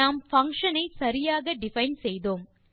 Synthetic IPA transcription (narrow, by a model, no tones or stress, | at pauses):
aːmfɐŋʂɐnɐɪsɐɾɪjaːɣɐɖɪfɐɪnsɛjðoːm